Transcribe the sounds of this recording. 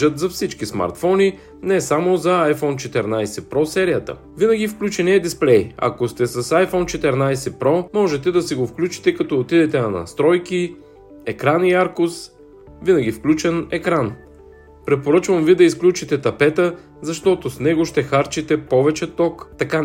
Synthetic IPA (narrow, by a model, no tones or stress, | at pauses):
ət̪zɐfsit͡ʃkisma̰ɾt̪fɔni | nɛsamozɐajfɔnt͡ʃɛt̪ɛɾnajsɛpɾɔsɛɾijət̪ə̰ | vinɐɡʲifklʲut͡ʃɛniɛd̪isplɛjɐ̰kost̪ɛsɐsajfɔnt͡ʃɛt̪ɛɾnajsɛpɾɔmɔʒɛt̪ɛd̪ɐsiɡofklʲut͡ʃi̥t̪ɛkɐt̪ɔːt̪id̪ɛt̪ɛnɐnɐ̰st̪ɾɔjki | ɛkɾaniaɾkʊs | vinɐɡʲifklʲut͡ʃɛnɛkɾan | pɾɛpoɾət͡ʃvɐmvid̪ɐisklʲut͡ʃit̪ɛt̪ɐpɛt̪ə | zɐʃt̪ɔt̪osnɛɡoʃt̪ɛxaɾt͡ʃit̪ɛpɔvɛt͡ʃɛt̪ɔkt̪ɐka